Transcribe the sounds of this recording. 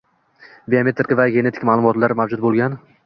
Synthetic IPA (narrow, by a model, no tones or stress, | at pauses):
beame̞t̪ʰɾkʲavaɡʲe̞ne̞t̪ʰɪ̥kʲmaːlˠʊmɒt̪laɾmavd͡ʒʊt̪̚bolˠɡʲan